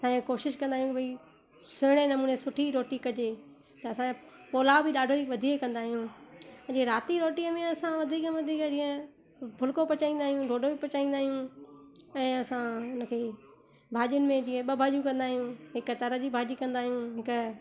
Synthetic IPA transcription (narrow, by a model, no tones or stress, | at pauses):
saːekoːʃɪʃkɐ̃nd̪aːijũbʱɐi | sʊɦɽ̃enɐmuːnesʊʈʰiɾoːʈikɐd͡ʑe | t̪ɐɐsã | poːlabɪɗaːɖʱoiʋɐd̪ʱiːekɐ̃nd̪aːɦijũːd͡ʑiə̃ɾaːt̪iɾoːʈiəmẽɐsãʋɐd̪ʱiːkʋɐd̪ʱiːkd͡ʑĩːə̃ | bʱʊlkopɐt͡ɕaːĩːnd̪aːɦijũɖʱoːɖʱobipɐt͡ɕaːĩnd̪aːɦijũ | ɛ̃ːɐsãʊnə̆kʰeː | bʱaːʄʊnɪ̆mẽd͡ʑĩːə̃ɓɐbʱaːʄũkɐ̃nd̪aːɦijũɦɪkət̪ɐɾəd͡ʑibʱaːʄikɐ̃nd̪aːɦijũɦɪk